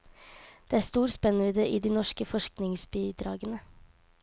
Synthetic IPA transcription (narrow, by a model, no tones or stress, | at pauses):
d̪̥eːæːɾst̪uːɾspɛnːʋiːd̪eːʔiːd̪iːnɔʃkəfɔʃknɪŋsbiːd̪ɾɑ̰ːɡənə